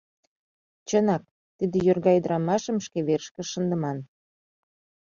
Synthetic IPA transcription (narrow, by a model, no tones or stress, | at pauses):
t͡ɕənɑk̚ | t̪id̪ĕjørɣɑjəd̪əɾɑmɑʃəmʃkeβerʃkə̆ʃənd̪ə̆mɑn